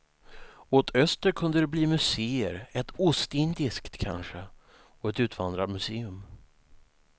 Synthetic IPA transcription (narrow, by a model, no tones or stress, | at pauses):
ot̪ʰœst̪əɾkʰɵnd̪əd̪ɛbliːmɵseːə̰ɾɛt̪ʰʊst̪ɪnd̪ɪskt̪kʰa̰nɧə | ɔɛt̪ʉ̟ːt̪vand̪ɾad̪mɵseːɵm